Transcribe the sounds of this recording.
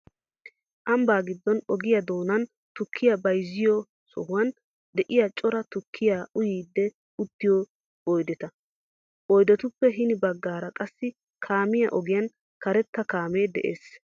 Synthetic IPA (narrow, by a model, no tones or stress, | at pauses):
ʔɐmbaːɡɪd̪ːɔnɔɡɪjɐd̪o̞ːnɐn | t̪ʊkʰːɪjɐbɐjzːɪjɔ | sɔ̰hʊwɐn | d̪ɛʔɪjat͡ʃʼɔɾɐt̪ʊkʰːɪjaʊjiːd̪ːɛ | ʊt̪ːɪjɔ | ɔjd̪ɛt̪ɐ | ɔjd̪ɛt̪ʊpːɛɦɪnɪbɐɡːaːɾɐkʼɐsːɪ | kʰaːmɪjɐ̰ʔɔɡɪjɐn | kɐɾɛt̪ːɐkaːmeːd̪ɛ̰ʔḛːs